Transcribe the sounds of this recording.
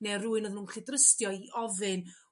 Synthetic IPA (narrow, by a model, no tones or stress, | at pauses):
neruːɨnɔðnuːnɬɪdrəstjɔiʔɔvɨn